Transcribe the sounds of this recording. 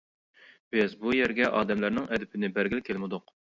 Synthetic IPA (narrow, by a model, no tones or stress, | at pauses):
b̥ɪzbujæɾɡʲɛʔɑːd̪ɛmlæɾnɪŋɛd̪ɪpʰɪnɪbæɾɡʲɪlkʲʰelmɪd̪ʊq